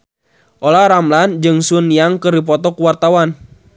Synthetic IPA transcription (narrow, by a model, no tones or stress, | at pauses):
ʔolaɾamland͡ʒɨŋsunijaŋkɨrdip̬ɔt̪ɔkuwart̪awan